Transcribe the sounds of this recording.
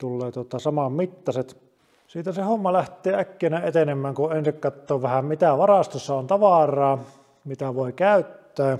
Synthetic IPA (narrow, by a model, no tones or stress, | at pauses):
t̪ulːeːt̪uot̪ɑsɑmɑmmit̪ːɑset̪ | siːt̪æsehomːɑlæht̪ˑeːækːeˑːnæet̪enemːˑæːŋkuensikkɑt̪ːoːʋæhæmmit̪æʋɑrɑst̪osːɑont̪ɑʋɑrˑɑː | mit̪æʋoˑikæˑyt̪ːæː